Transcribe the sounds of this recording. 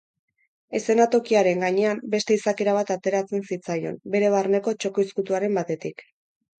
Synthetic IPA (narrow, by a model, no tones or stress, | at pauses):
e̞se̞nat̪o̞kiaɾe̞ŋɡaɲe̞ambe̞st̪e̞isake̞ɾaβ̞at̪at̪e̞ɾat͡se̞nsit͡sajo̞̰mbe̞ɾe̞βarne̞ko̞t͡ʃo̞ko̞iskut̪uaɾe̞mbat̪e̞t̪ik